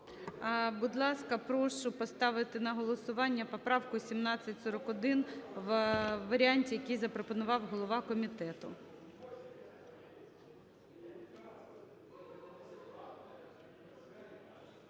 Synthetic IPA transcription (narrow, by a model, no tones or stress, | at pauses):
bʊd̪lˠɑskɐpɾɔʃʊpɔst̪ɑʋɪt̪ɪnɐɦɔlˠɔsʊʋɑnʲːɐpɔpɾɑwkʊsʲimnɑt͡sʲːɐtʲsɔɾɔkɔd̪ɪnʋʋɐɾʲɪɑnʲtʲijɐkijzɐpɾɔpɔnʊʋɑwɦɔlˠɔʋɑkɔmʲit̪ɛt̪ʊ